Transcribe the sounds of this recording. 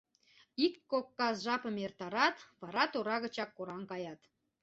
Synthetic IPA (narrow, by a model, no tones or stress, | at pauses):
iktkokːɑsʒɑpəmert̪ɑɾɑt̪βɑɾɑt̪oɾɑɣə̆t͡ɕɑkːoɾɑŋkɑjɑt̪